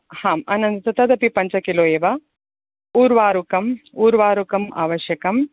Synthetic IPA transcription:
haːmɐnɐnd̪ɐt̪ɐt̪ɐd̪ɐpipɐɲt͡ʃɐkiloːjeːʋɐ | uːɾʋaːɾukɐmuːɾʋaːɾukɐmʔa̰ːʋɐʃjɐkɐm

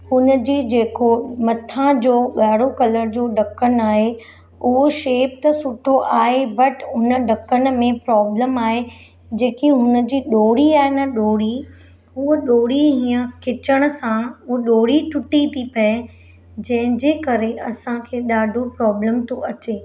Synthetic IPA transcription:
hʊnə̆d͡ʑiːd͡ʑeːkomɐt̪ʰãd͡ʑoːɠaːɽ̤okɐləɾd͡ʑoːɖʱɐkənaːɦe | ʊɦoʃeːp̚t̪ɐsʊʈʰoʔaːɦebɐʈʰʊnə̆ɖʱɐkən̆mẽpɾɔːbləmaːɦe | d͡ʑeːkiɦʊnə̆d͡ʑiːɗoːɽ̤iaːɦɪnɐɗoːɽi | ʊɗoːɽiɦĩːə̃kʰɪt͡ɕəɽ̃ʊ̆sãʊɗoːɽiʈʰʊʈit̪ʰipɐe | d͡ʑɐ̃ɦɪ̃d͡ʑeːkɐɾeʔɐsãkʰeːɗaːɖʱopɾɔːbləmt̪ʰoʔɐt͡ɕeː

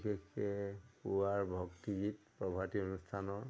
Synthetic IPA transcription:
kekːɛpuwaɹbʱɔktiɡit̚pɹɔbʱationustʰanɔɹ

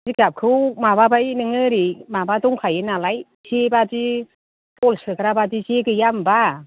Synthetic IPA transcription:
ziɡap̚kʰɯwmababajnɯŋɯɾimabadɔŋkʰajɯnalaj | zebadi | pɔlsɯkɾabadizeɡɯjamba

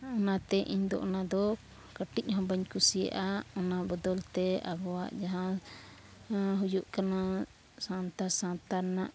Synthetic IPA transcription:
ɔnat̪ɛʔiɲd̪ɔ̰ʔnad̪ɔ | kəʈic̚ˀɦɔ̃bəɲkusijə̰ʔaɔnabɔd̪ɔlt̪ɛa̰ɡɔwaʔd͡ʒaɦã | ɦud͡ʒuʔkana | sãnt̪asãnt̪aɾnaʔ

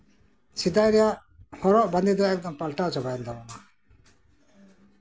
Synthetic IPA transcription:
t͡ʃʰid̪ajɾɛjaʔ | hɔɾɔʔband̪id̪ɔɛk̚d̪ɔmpalʈat͡ʃɔbajand̪ɔɾɔma

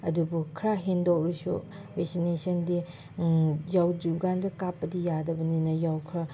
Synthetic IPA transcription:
ɐdubukʰɾaɦendokɾisṵbeksinesɐndi | jawd͡ʒuɡandɐkapːɐdijadɐbɐninɐjawkʰɾa

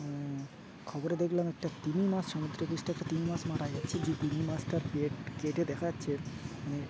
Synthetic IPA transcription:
kʰɔboɾed̪ekʰlamɛk̚ʈat̪imimasʃɔmud̪ɾokɾeʃʈaɛkʈat̪imimasmaʈajd͡ʑatːt͡ɕʰed͡ʑet̪inimasʈaɾkeʈkeʈed̪ɛkʰaatːɕʰemane

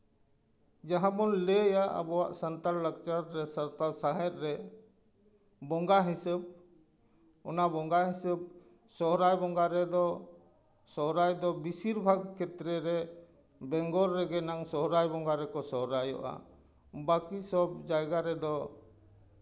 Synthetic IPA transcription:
d͡ʒaɦãbɔnlɛjaʔa̰bɔwaʔsənt̪aɾlək̚t͡ʃaɾːɛsəɾt̪aɾsaɦɛt̪̚ˀɾɛ | bɔŋɡaɦisəb̚ | ɔnabɔŋɡaɦisəb̚ | sɔɦɾajbɔŋɡaɾɛd̪ɔ | sɔɦɾajd̪ɔbisiɾbʱaɡ̚kʰɛt̪ɾɛɾɛ | bɛŋɡɔɾːɛɡɛnaŋsɔɦɾajbɔŋɡaɾɛkɔsɔɦɾajɔ̰ʔa̰ | bakisɔb̚d͡ʒajɡaɾɛd̪ɔ

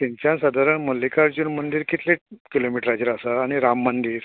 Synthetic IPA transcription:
t̪iɲt͡ɕãnsəd̪ʱaɾəɳmolːikaɾd͡ʑuːnm̤əɳd̪iːɾkit̪lekilomiʈɾad͡ʑəɾasaːɽ̃iɾamːəɳd̪iːɾ

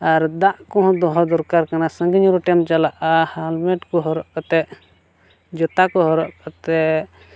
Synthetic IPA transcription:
aɾd̪aʔkɔ̃ɦɔ̃d̪ɔɦɔd̪ɔɾkaɾkanasəŋɡiɲɾɔʈɛmt͡ʃalaʔahalmɛʈkɔɦɔɾɔʔkat̪ɛʔ | d͡ʒɔt̪akɔɦɔɾɔʔkat̪ɛ

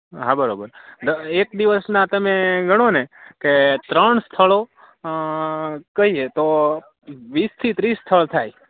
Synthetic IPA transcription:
ɦãbəɾobəɾd̪əek̚d̪iʋəsnãt̪əmeɡʱəɽ̃oneket̪ɾəɳst̪ʰəɭo | kəɦiet̪o | ʋist̪ʰit̪ɾisːt̪ʰəɭt̪ʰaj

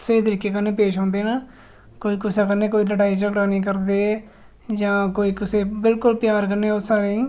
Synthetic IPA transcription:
səiːt̪̬əɾiːkeːkənːeːpeːʃãːnd̪eːnãː | koːiːkʊsaːkənːeːk̬oːiːləɽaːiːd͡ʒəɡɽaːnĩːk̬əɾd̪eː | d͡ʒãːkoːiːkɪseːbɪlkʊlpjaːɾkənːeːʊsaːɾeː

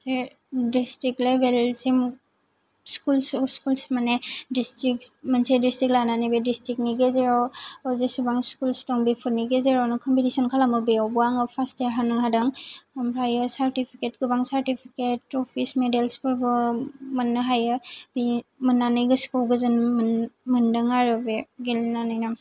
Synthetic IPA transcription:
se | distɾik̚lebelsim | skulsskulsmanedistɾik̚mansedistɾik̚lananibedistɾik̚niɡezeɾɔɔzesubaŋskulstɔŋbipʰuɾniɡezeɾɔnukʰɔmpitisɔnkʰalamɯbeɔwbɔaŋɯpʰastijaɦanɯɦadaŋamɾajɯsaɾtipʰiket̚ɡɯbaŋsaɾtipʰiketɔpʰismedelspɯɾbɯmanːɯɦajɯbimɯnːanɯjɡɯskulɡɯzɯn | mɯndɯŋaɾɯbeɡelnanɯjna

